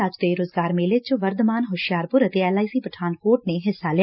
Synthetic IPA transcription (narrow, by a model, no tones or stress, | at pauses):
ad͡ʒt̪eɾoːzɡaːɾmeːlet͡ʃʊʋəɾd̪maːnɦʊʃjaːɾpʊɾət̪eɛːlaːisiːpəʈʰaːnkoːʈ̚neɦɪsːalɪ